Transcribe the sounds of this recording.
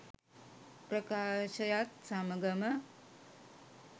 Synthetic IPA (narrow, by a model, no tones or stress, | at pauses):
pɾəkaʃɐjat̪̚saməɡɐmə